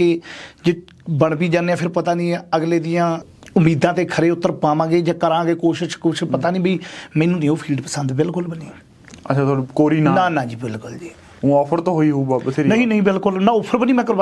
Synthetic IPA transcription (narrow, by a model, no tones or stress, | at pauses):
eːd͡ʒeː | bəɳbiːd͡ʒaːneãːpʰɪɾpət̪aːnĩːəɡleːd̪ɪjãː | ʊmiːd̪ãːt̪eːkʰəɾeːʊt̪ːəɾpaːmãːɡeːd͡ʒãːkəɾãːɡeːkoːʃɪʃkuːt͡ʃʰpət̪aːnĩːbiːmɛːnũːnẽːoːpʰiːlɖpəsə̃nd̪bɪlkʊlbəniː | ət͡ʃʰaːt̪ʰːkoːɾiːnːnaːnãːd͡ʒiːbɪlkʊld͡ʒiː | ũːɔːpʰəɾt̪õːɦoːiːɦoːbaːbt̪ʰenəɦĩːnəɦĩːbɪlkʊlnaːʊpʰəɾbəniːmɛ̃ːkəɾb